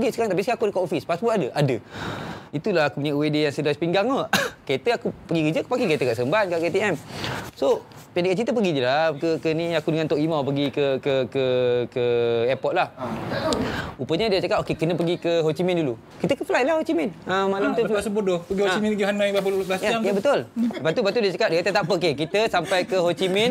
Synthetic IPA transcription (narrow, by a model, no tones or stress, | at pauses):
ɡisəkaɾaŋt̪apiskakudəkɔʔofispasbɔt̪adəʔadə | it̪ulahakupuɲaʔwedejaŋsədaspiŋɡaŋəket̪əakupəɡikəd͡ʒəkpakiŋkəet̪əkaʔsəəmbankaʔket̪iɛmso | pɛndekaʔt͡ʃit̪əp̬əɡidilakəkəniakudəŋant̪oʔimãp̬əɡikəkəkəkəɛpɔt̪̚lah | upəɲədiət͡ʃakap̚okekənə̃pəɡikəɦot͡ʃimɛ̃ndulu | kit̪əkəfəlajlahot͡ʃimɛnəmalamt̪usəbodopəɡihot͡ʃimɛniɦanaibapəulajaajabət̪oləbat̪ubat̪udiət͡ʃakap̚dəat̪at̪aʔpəkekit̪əsampajkəɦot͡ʃimɛn